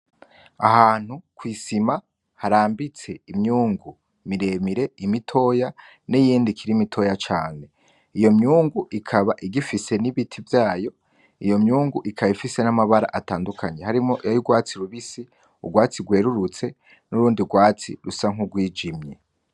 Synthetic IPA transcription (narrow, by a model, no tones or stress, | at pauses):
a̰haːn̥hukwiːsima | haɾaːmbit͡se̞imɲuːŋɡu | miɾe̞miɾe̞imitʰo̞ːja | nijiːndikʰiɾimitʰo̞jat͡ʃaːne̞ | ijo̞mɲuːŋɡuʔikʰaβaʔiɡifise̞niβitʰivjaːjo̞ | ijo̞mɲuːŋɡuʔikʰaβifise̞namaβaɾa̰ʔataːndukʰaɲehaɾimo̞ʔjajuɡwaːt͡siɾuβisi | ṵɡwaːt͡siɡwe̞ːɾuɾut͡se̞ | nuɾuːndiuɡwaːt͡sḭɾusaŋuɡwiːd͡ʒimɲe